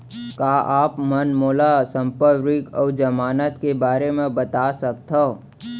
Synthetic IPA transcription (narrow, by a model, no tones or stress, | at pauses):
kaːʔaːpmənmoːlasə̃mpəɾɪkɔːd͡ʒəmaːnət̪kebaːɾemẽbət̪asək̚t̪ɦo